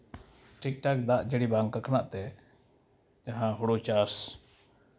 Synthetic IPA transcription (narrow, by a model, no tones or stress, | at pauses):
ʈik̚ʈak̚d̪aʔd͡ʒəɽibaŋkakʰnaʔt̪ɛ | d͡ʒaɦãɦɔɽut͡ʃas